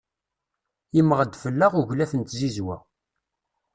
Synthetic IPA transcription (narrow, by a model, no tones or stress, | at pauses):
imʁəd̪fəlːaʁuʝlæθənt̪zizwæ̰